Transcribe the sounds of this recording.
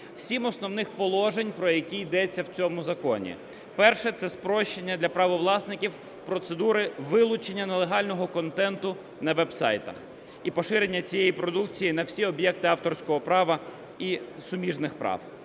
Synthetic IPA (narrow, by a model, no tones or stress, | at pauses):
sʲimɔsnɔwnɪxpɔlˠɔʒenʲpɾɔjɐkʲijd̪ɛt͡sʲːɐwt͡sʲɔmʊzɐkɔ̰nʲḭ | pɛrʃɛt̪sɛspɾɔʃt͡ʃːenʲːɐd̪lʲɐpɾɐʋɔʋlˠɑsnɪkʲiw | pɾɔt̪sed̪uɾɪʋɪlˠʊt͡ʃenʲːɐnelˠeɦɑlʲnɔɦɔkɔnt̪ɛnt̪ʊ | nɐʋɛbsɑ̰jt̪ɐ̰x | ipɔʃɪɾe̞nʲːɐt͡sʲijejipɾɔd̪uk̚t͡sʲijinɐwsʲiɔbjɛk̚t̪ɪɑft̪ɔrsʲkɔɦɔpɾɑʋɐ | isʊmʲiʒnɪxpɾɑ̰w